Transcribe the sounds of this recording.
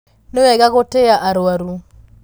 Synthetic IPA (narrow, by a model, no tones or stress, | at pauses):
newɛɡaɣoteaʔaɾoaɾu